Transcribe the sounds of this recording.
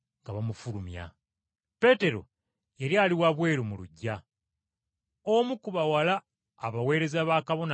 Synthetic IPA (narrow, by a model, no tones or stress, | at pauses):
ŋɡaβamufulumja̰ | pe̞te̞ɾo̞̰ | jeɾjaːliwaβwe̞ːɾumuluɟːa | omukuβawalaː | βawe̞ːɾe̞zaβaːkaβo̞na